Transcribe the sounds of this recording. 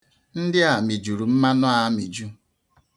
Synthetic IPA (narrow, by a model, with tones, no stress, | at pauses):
n̩˦dɪ˦a˨mi˨d͡ʒu˨ɾu˨m̩˦ma˦nɔ˦a˦mi˨d͡ʒu˦